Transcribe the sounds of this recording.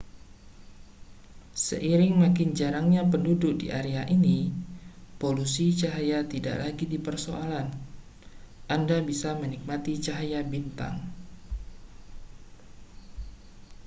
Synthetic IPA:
sə̰ʔiɾɪŋmakɪnd͡ʒaɾaŋɲapəndudʊk̚dḭʔaɾeaʔini | polusit͡ʃaɦajat̪ida̰ʔlaɡidipərsoalan | ʔandabisamənik̚mat̪it͡ʃaɦajabint̪a̰ŋ

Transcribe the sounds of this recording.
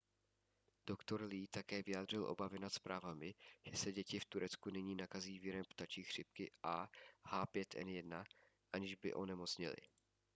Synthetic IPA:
d̥okt̪o̞ɾliːt̪akɛːvɪjaːd̪r̝ɪlʔo̞̰bavɪnat̪spɾʔaːvamɪʒ̥ɛsɛɟɛcɪft̪uɾɛt͡skunɛɲiːnakaziːvjɪɾɛmpt̪at͡ʃiːxr̥ɪp̚kɪʔahaːpjɛt̪ʰʔɛ̰njɛdna | ʔaɲɪʒbɪ̰ʔo̞nɛmo̞t͡sɲɪ̰lɪ̰

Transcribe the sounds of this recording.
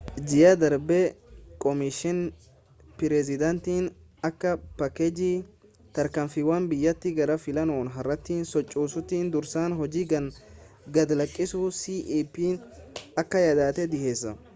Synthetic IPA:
d͡ʒɪjɐd̪ɐɾbɛkʼɔmɪʃɪn | pɪɾɛzɪd̪ɐnt̪iːnɐkːɐpɐkɛd͡ʒiː | t̪ɐɾkɐmfɪwaːnbɪjːɐt̪ːɪɡɐɾɐfɪlɐnoːnɦɐrːɐt̪ːiːnsɔt͡ʃʼːuːsʊt̪ːiːnd̪ʊɾsaːnɦɔd͡ʒiːɡɐn | ɡɐd̪lɐkʼːɪsusiːʔipiːnɐkːɐjɐd̪aːt̪ɛd̪ɪhe̞ːsːɐ

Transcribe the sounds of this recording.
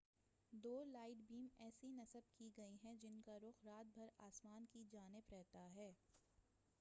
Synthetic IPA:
d̪oːlaːɪʈbiːmɛːsinɐsəb̚kiɡɐiɦɛ̃d͡ʒɪnkaɾʊxɾaːt̪̚bʱɐɾaːsmaːnkid͡ʒaːnɪbɾɛɦt̪aɦɛː

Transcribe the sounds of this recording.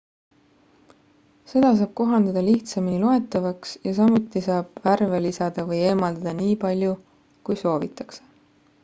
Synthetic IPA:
se̞d̪̥ɑs̬ɑːb̥̚ko̞ɦɑnd̪ɑd̪ɑliht̪sɑmilo̞e̞t̪ːˑɑvɑksjɑsɑmut̪ːˑisɑːb̥værvelisɑd̪̥ɑvɤje̞ːmɑld̪ɑd̪̥ɑniːpɑlʲju | kujso̞ːvit̪ˑːɑ̥kse̥

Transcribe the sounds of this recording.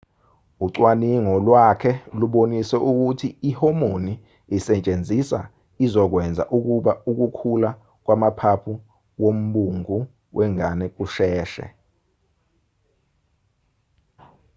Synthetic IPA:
uǀwaniŋɔlwakʰɛluɓonisɛʔuk̬utʰiːhomoni | isɛt͡ʃʼend͡zʱisa̰ | izɔk̬wɛnd͡zʱa̰ʔuk̬uɓauk̬ukʰula | k̬wamapʰapʰu | wom̩ɓuŋu | wʔɛŋanɛk̬uʃɛːʃɛ̰

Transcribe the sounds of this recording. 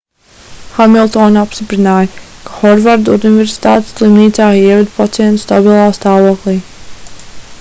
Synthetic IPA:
xamilˠt̪ɔːnapst̪ipɾinaːjəkḁxɔɾvaɾd̪univeɾsi̥t̪aːt̪slˠimniːt̪saːiɛvɛd̪pat̪siɛnt̪u̥st̪a̰bilˠaːst̪aːvuɔklˠiː

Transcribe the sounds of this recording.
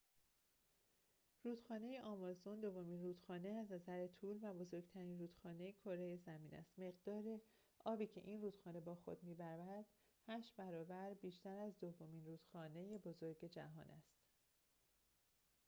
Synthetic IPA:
ruːd̪xɒːne̞jeʔɒːmɒzond̪o̞vːo̞miːnruːd̪̥xɒːne̞æznæzæɾet̪ʰuːlvæbo̞zo̞ɾɡt̪ʰæɾiːnruːd̪̥xɒːne̞jekʰo̞ɾejezæmiːnæ̰st̪me̞ɣd̪ɒːɾe | ʔɒːbiːcʰe̞̰ʔiːnruːd̪xɒːne̞bɒːxo̞̰d̪̥̚miːbæɾvæɾæd̪̥ | hæʃt̪bæɾɒːbæɾbiːʃt̪æɾæzd̪o̞vːo̞miːnruːd̪̥xɒːne̞jebo̞zo̞ɾɟe̞d͡ʒæɦɒ̰ːnʔæ̰st̪

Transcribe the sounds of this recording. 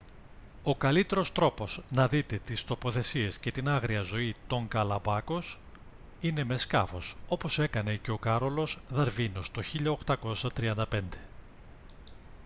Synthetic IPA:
o̞kɐlit̪e̞ɾo̞st̪ɾo̞po̞znɐðit̪e̞t̪ist̪o̞po̞θe̞sie̞sce̞t̪inɐɣɾiɐzo̞it̪o̞ŋɡɐlɐbɐko̞s | ine̞me̞skɐfo̞so̞po̞se̞kɐne̞ce̞o̞kɐɾo̞lo̞sðɐɾvino̞st̪o̞çiʎɐokt̪ɐko̞sɐt̪ɾiɐnd̪ɐpe̞nd̪e̞̥

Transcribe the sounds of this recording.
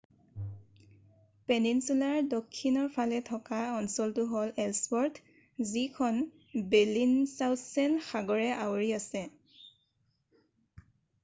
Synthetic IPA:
peninsulaɹdɔkʰːinɔɹpʰalɛtʰɔkaɔnsɔltʊɦɔlɛlspɔɹt | zikʰɔn | bɛlinsawtʰsɛnxaɡɔɹɛʔawɹiasɛ

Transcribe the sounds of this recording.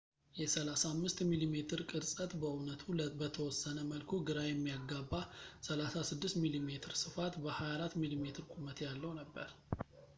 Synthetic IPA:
jɛsəlasamːɨst̪milime̞t̪ʰɨɾkʼɨɾsʼət̪bəunət̪ʰubət̪ʰəwɔsːənəməlkʰoɡɨɾajɛmːijaɡabːasəlasasɨd̪ːɨst̪milimet̪ʰɨɾsɨfat̪bəhajaɾat̪milime̞t̪ʰɨɾkʷʼumət̪jalːəwnəbːəɾ

